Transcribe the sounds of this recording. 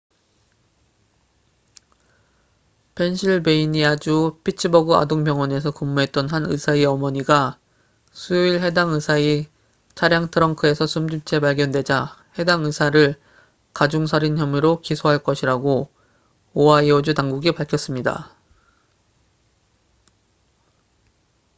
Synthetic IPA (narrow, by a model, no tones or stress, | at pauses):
pʰe̞nɕʰiɭbe̞iɲiad͡ʑupʰit͡ɕʰɯbʌɡɯa̰doŋpjʌŋwʌne̞s̬ʰʌkɯmːuɦe̞t̚t͈ʌnɦanɯ̰sʰaiʌmʌɲiɡa | sʰujoiɭɦe̞daŋɯsʰai | t͡ɕʰaɾjaŋtʰɯɾʌŋkʰɯe̞sʰʌsʰumd͡ʑumt͡ɕʰe̞paɭɡjʌndwe̞d͡ʑahe̞daŋɯsʰaɾɯɭ | kad͡ʑuŋsʰaɾinçjʌmiɾokisʰoɦaɭk͈ʌɕʰiɾaɡo | oaiʌd͡ʑutaŋɡuɡipaɭkʰjʌs͈ɯmɲida̰